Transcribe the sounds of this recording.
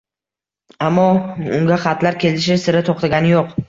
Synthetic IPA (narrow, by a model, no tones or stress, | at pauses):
amːɒʊ̰ŋɡʲaχɑt̪laɾkʲʰe̞lɪʃɪsɪɾɪt̪ʰoqt̪ʰaɡʲanɪjoq